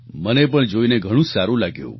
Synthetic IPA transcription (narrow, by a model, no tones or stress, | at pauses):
mənepəɳd͡ʒoineɡʱəɽ̃ũsaɾũlaɡjṵ̃